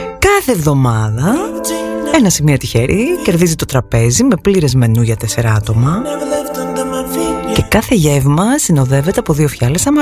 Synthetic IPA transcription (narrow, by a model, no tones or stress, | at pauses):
kɐθe̞ːvðo̞mɐðɐ | e̞nɐsimiot̪içe̞ɾʔḭce̞ɾðizit̪o̞t̪ɾɐpe̞zime̞pliɾe̞zme̞nuʝɐt̪e̞se̞ɾɐɐt̪o̞mɐ | ce̞kɐθe̞ʝe̞vmɐsino̞ðe̞ve̞t̪eɐpo̞ðio̞fçɐlesɐmɐ